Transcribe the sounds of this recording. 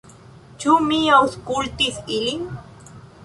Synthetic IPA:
t͡ʃʊmiawskʊlt̪isɪlɪŋ

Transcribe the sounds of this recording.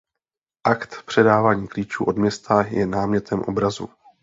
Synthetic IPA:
ʔakt̪pr̥ɛdaːvaːɲiːkliːt͡ʃuːʔo̞dmɲɛst̪ajɛnaːmɲɛt̪ʰɛmʔo̞bɾazṵ

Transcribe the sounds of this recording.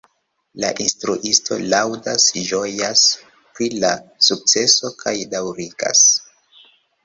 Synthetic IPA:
la̰ʔinstɾuʔisto̞̰lawdasʒo̞jas | pɾilasuk̚t͡se̞so̞kʰajdawɾiɡ̥a̰s

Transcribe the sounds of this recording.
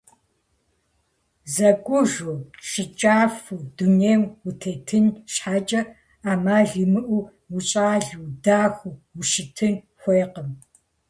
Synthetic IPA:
zɐɡʷʼʊʒuʃɨt͡ʃʼaːfuduneːŋwutʰeːtʰɨnʃħaːt͡ʃʼɐ | aːmaːɮɨmɨʔʷu | wuɕʼaːɮuwdaːxʷuwuʃɪtʰɨn | xʷeːqəm

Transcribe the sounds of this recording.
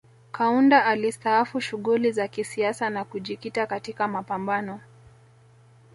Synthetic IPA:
kʰaundaalistaafuʃuɣulizakisiasanakuʄikitakatikamapambanɔ

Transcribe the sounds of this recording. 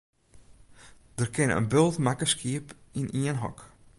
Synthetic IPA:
d̥ərkʰɪnə̰ə̰nbølˠtmakəskʰiəpiniənɦɔ̰k

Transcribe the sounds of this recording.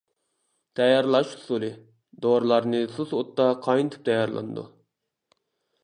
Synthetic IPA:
t̪ʰɛjɑɾlˠɑʃhu̥sulˠɨ | d̪oɾlˠɑɾnɨsusot̪ːɑqʰɑjnɨt̪ʰɨ̥p̚t̪ʰɛjɑɾlˠɑ̰nɨd̪ṵ

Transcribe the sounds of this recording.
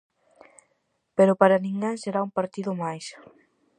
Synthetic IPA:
peɾʊpaɾanĩŋɡeŋseɾaumpaɾt̪iðʊmajs

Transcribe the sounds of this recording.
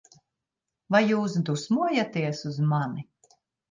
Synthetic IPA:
vajːuːsd̪usmuɔjat̪iɛsuzmani

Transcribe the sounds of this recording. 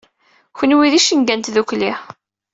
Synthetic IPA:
çənwiðiʃinɡænt̪ðukli

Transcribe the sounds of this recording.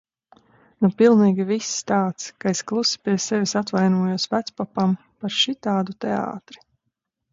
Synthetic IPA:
nupilˠniːɡʲivist̪aːt̪skaesklˠusi̥pʲiɛsɛvʲisat̪vajnuɔjuɔsvæt̪spapam | paɾʃit̪aːd̪ut̪ɛa̰ːt̪ɾi̥

